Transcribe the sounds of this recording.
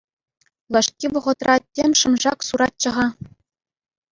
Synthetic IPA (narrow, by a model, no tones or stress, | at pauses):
lʲˠɤ̆ʂkʲiʋɤ̆ʁɤ̆t̪rɑtʲːemʲʂɤ̆mʐɑksuɾɑt̪̚t͡ɕɤ̆ʁɑ